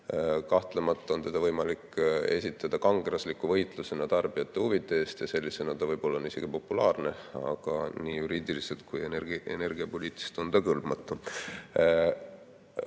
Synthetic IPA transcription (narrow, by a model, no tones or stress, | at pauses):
kɑht̪lemɑt̪ˑːɑo̞nt̪e̞d̪ɑvɤjmɑlikːe̞̰sʲit̪ːˑɑd̪̥ɑkɑŋɡ̥ɾɑslikːˑuvɤjt̪ˑluse̞nɑt̪ɑrb̥ijɑt̪ˑːe̞uvit̪ːˑeeːst̪jɑse̞lʲːise̞nɑd̪̥ɑvɤjb̥o̞lːɑonise̞ɡ̥ipo̞pːulɑːrne̞ɑ̰ɡ̥ɑ̰niːjuɾiːd̪̥ilise̞lt̪̚kujeneḛne̞rɡ̥iɑpo̞liːt̪ːˑi̥ist̪o̞nt̪ɑkɤlb̥mɑt̪ːˑu